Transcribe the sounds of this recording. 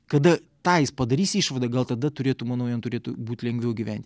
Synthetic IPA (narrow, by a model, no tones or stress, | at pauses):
kɐd̪ɐt̪ɑːjɪspɐd̪ɐɾʲiːsiːʃʋɐd̪ɐɡɐlˠt̪ɐd̪ɐt̪ʊɾʲeːt̪ʊmɐnɐʊjɛnt̪ʊɾʲeːt̪ʊbuːt̪ʲlʲɛŋʲɡʲʋʲɛʊɡʲiʋʲɛnʲt̪ʲ